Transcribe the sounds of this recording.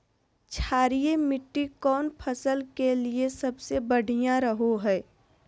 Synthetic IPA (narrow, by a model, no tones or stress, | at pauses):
t͡ʃʰaːɾijemɪʈːikɔːnpʰəsəlkeliesɐbsebəɽ̤ʱijãɾəɦoɦɛː